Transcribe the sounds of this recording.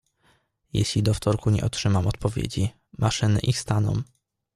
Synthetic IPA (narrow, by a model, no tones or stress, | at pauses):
jḛɕlʲid̪ɔft̪ɔɾkuɲɛ̰ʔɔtʂɘmamɔt̪̚pɔvʲjḛd͡ʑi | mʔaʂɘnɘ̰ʔixst̪anɔ̰w